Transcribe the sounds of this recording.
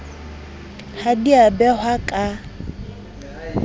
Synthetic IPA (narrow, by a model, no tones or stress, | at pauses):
hadiabɛhwakʼa